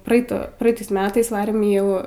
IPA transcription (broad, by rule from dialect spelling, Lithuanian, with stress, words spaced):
prɐˈɛɪtoː prɐˈɛɪtɐɪs ˈmʲæːtɐɪs ˈʋɑːrʲeːm ɪ ˈjɛʊ